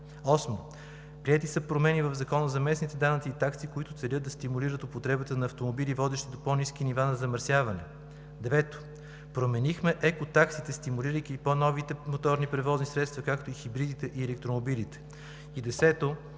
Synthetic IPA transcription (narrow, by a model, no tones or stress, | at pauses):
ɔsmo | pɾiɛt̪isəpɾomɛnivəvzɐkɔnəzɐmɛsnit̪ɛd̪anət̪siːt̪aksikoit̪ʊt̪sɛlʲɤd̪̚d̪ɐst̪imuliɾət̪ʊpot̪ɾɛbət̪ənɐːft̪omobilivɔd̪ɛʃt̪ɛd̪opɔniskinivanɐzɐmɐɾsʲjavɐnɛ̰ | d̪ɛvɛt̪o̥ | pɾomɛnixmɛʔɛkot̪aksit̪ɛst̪imuliɾəjk̟iponɔvit̪ɛmot̪ɔɾnipɾɛvɔznisɾɛt̪st̪vɐkak̚t̪oixibɾid̪it̪ɛʔiɛlɛk̚t̪ɾomobilit̪ɛ̥ | id̪ɛsɛt̪o